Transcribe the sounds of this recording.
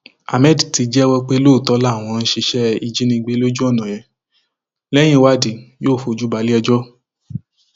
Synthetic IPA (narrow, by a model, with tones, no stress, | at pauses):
a̰˨mɛ˦˨di˨ti˨˧d͡ʒɛ˦wɔ˦k͡pe˦lo˦˨tɔ˨˦la˦˨w̃ɔ̃˧n̩˦ʃe˧ʃɛ˦i˧d͡ʒi˦nĩ˧ɡ͡be˦lo˦d͡ʒu˦ɔ˦˨nã˨jɛ̃˨˦ | lɛ˦j̃ĩ˦wa˦di˨joː˦˨fo˧˨d͡ʒu˦ba˨˦li˦ɛ˧d͡ʒɔ˦